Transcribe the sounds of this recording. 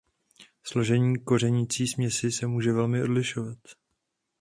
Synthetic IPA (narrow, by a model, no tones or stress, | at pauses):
slo̞ʒɛɲiːko̞r̝ɛɲit͡siːsmɲɛsɪsɛmuːʒɛvɛlmɪʔo̞dlɪʃovat̪